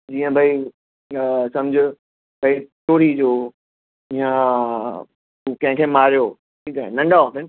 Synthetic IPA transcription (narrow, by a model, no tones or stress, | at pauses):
d͡ʑiːə̃bʱai | sɐ̃md͡ʑʱʊ̆ | bʱɐitoːɽid͡ʑoː | ɪjã | ukɐ̃ɦɪ̃kʰeːmaːɾijoː | ʈʰiːkaːɦḛnɐ̃ɳɖaoʈɪn